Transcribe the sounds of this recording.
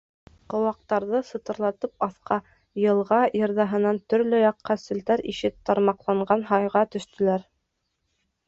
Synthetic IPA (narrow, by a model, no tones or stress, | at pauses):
qŏwɑq̚t̪ɑɾðɤsɤ̆t̪ɤ̆ɾlˠɑt̪ɤp̚ɑθqɑ | jɤ̆lˠʁɑjɤ̆ɾðɑɦɤ̆nɑnt̪ɵ̆ɾlɵjɑqːɑsɵ̆ld̪æɾiʃɘp̚t̪ːɑɾmɑqlˠɑɴɢɑnɦɑjʁɑt̪ɵ̆ʃt̪ɵ̆læɾ